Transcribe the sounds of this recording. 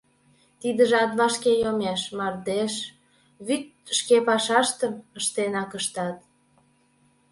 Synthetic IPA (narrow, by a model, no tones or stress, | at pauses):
t̪id̪əʒɑt̪βɑʃkejomeʃmɑrd̪eʃ | βyt̪̚ | ʃkepɑʃɑʃt̪əməʃt̪enɑkəʃt̪ɑt̪̚